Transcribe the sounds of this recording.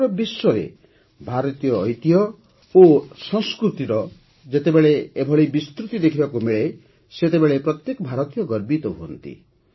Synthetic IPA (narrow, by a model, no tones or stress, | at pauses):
ɾɔbiswɔɾḛ | bʱaɾɔt̪ijɔːjt̪ijɔ | osɔ̃ŋskɾut̪iɾɔ | d͡ʒet̪ebeɭeebʱɔɭibist̪ɾut̪id̪ekʰibakumiɭe | set̪ebeɭepɾɔt̪jekɔbʱaɾɔt̪ijɔɡɔɾbit̪ɔɦuɔ̰nt̪ḭ